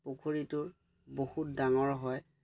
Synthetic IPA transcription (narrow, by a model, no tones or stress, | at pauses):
pokʰoɹitʊɹ | bohut̚daŋɔɹɦɔj